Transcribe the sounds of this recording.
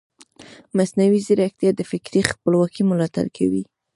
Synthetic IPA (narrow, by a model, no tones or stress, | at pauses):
masnawiziɾakt̪jɑd̪əfɪkɾixpəlwɑkimʊlɑt̪a̰lkʰa̰wi